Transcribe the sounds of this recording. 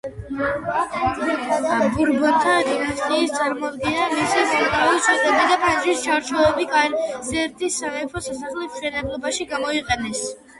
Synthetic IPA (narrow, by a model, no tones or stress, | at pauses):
ambuɾbɔnt̪ʰad̪inast̪ʼiːst̪sʼaɾmɔd̪ɡɛnamisisut̪ʼait̪sʰʼɛd̪ʼɛbid̪apʰand͡ʒwist͡ʃʰaɾt͡ʃʰɔɛbikʼaɾzɛɾt̪ʰisːamɛpʰɔsasaχlismʃɛnɛblˠɔbaʃiɡamɔiqʼɛnɛs